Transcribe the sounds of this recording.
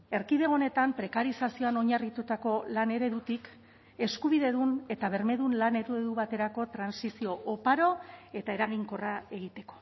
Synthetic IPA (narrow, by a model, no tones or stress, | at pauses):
e̞ɾkiðe̞o̞ne̞t̪ampɾe̞kaɾisasio̞ano̞ɲarit̪ut̪ako̞lane̞ɾe̞ðut̪ik | e̞skuβiðe̞ðune̞t̪aβe̞ɾme̞ðunlane̞ɾueðuβat̪e̞ɾako̞t̪ɾansisio̞ʔopaɾo̞e̞t̪ae̞ɾaɣ̞iŋko̞rae̞ɣ̞it̪e̞ko̞̥